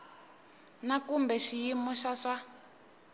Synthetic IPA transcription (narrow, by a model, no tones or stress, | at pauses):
nakumbɛʃijimɔʃaʂa